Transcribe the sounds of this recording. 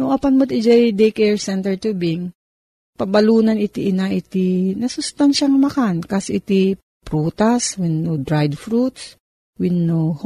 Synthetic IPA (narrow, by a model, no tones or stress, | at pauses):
nʊŋʔɐpɐnmɐt̪ɪd͡ʒɛjd̪ejkɛɹsɛnt̪ɛɹt̪ubɪŋ | pɐbɐluːnɐnɪt̪iʔɪnaʔɪt̪ɪnɐsʊst̪anʃɐŋmɐkankɐsʔɪt̪i | pɾuːt̪ɐswɪnːod̪ɾajd̪fɾut̪s | wɪnːoh